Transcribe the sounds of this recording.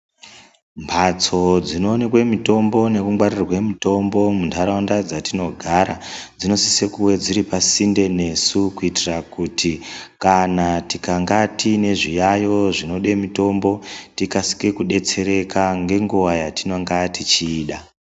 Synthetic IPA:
mpʰat͡so̞d͡zino̞ːne̞kwe̞mito̞mbo̞ne̞kuŋɡwarirwe̞mito̞mbo̞muntʰaɾaundad͡zatino̞ɡʱaɾad͡zino̞sise̞kuwe̞d͡ziɾipasinde̞ne̞sukuitirakutʰikanatikaŋɡatʰine̞ʐijajo̞ʐino̞ɗe̞mito̞mbo̞tikasi̥kekuɗe̞t͡se̞ɾe̞kaŋɡe̞ŋɡuʋajatinoŋɡatit͡ʃiːɗa

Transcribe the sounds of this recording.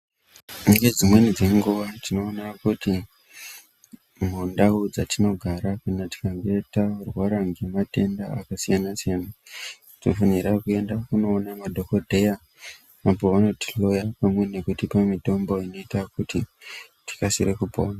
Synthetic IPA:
muŋɡed͡zimwe̞nid͡ze̞ŋɡuʋatino̞ːnakuti | mundaud͡zatino̞ɡʱaɾakanati̥kaŋɡe̞itarwaɾaŋɡe̞mate̞ndaːkasijanasijanattino̰faniɾakue̞ndakuno̞ːnamadʱo̞kodʱe̞ja | apo̞ʋano̞ti̥lo̞japamwe̞ne̞kutipamito̞mboino̞itakuti | ti̥kasirekupoːna

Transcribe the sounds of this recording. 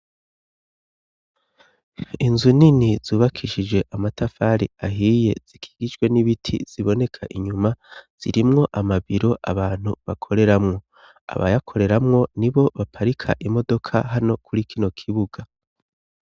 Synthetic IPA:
inzuninizuːβakʰiʃid͡ʒɡwe̞ʔamatafaɾḭaɦiːje̞̰z̥ikʰi̥ːɡ̥id͡ʒɡwe̞niβitʰḭz̥iβo̞ne̞kʰaʔiɲumaz̥ḭɾimŋo̞ʔamaβiɾo̞ʔaβaːn̥huβakʰo̞ɾe̞ɾamŋo̞ | a̰βa̰jakʰo̞ɾe̞ɾamŋo̞niβo̞βapʰaɾikʰa̰ʔimo̞do̞kʰa̰ɦano̞kʰuɾikʰino̞kʰiβuɡ̥a

